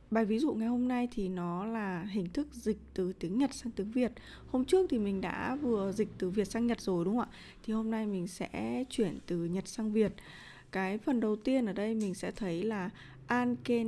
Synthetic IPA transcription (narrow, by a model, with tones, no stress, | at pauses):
ɓaː˨˩jvi˨˦zṵ˧˨ŋa˨˩jho˧mna˧jt̪ʰi˨˩nɔ˨˦laː˨˩ɦï˨˩ŋ̟t̪ʰɨ˦˥k̚zï˨˩k̟̚t̪ɨ˨˩t̪i˨˦əŋɲə˨˩t̚saː˧ŋt̪i˨˦əŋvi˨˩ət̚ | ho˧mt͡ɕɨ˦˥ək̚t̪ʰi˨˩mï˨˩ŋ̟ɗa̰ː˧˥vɨ˨˩əzï˨˩k̟̚t̪ɨ˨˩vi˨˩ət̚saː˧ŋɲə˨˩t̚zo˨˩jɗʊ˨˦ŋ͡mʔa̰ː˧˨ | t̪ʰi˨˩ho˧mna˧jmï˨˩ŋ̟sɛ̰˧˥t͡ɕwi˧˩ənt̪ɨ˨˩ɲə˨˩t̚saː˧ŋvi˨˩ət̚ | kaː˨˦jfə˨˩nɗə˨˩wt̪i˧ənʔəː˧˩ɗə˧jmï˨˩ŋ̟sɛ̰˧˥t̪ʰə˨˦jlaː˨˩ | ʔaː˧nke˧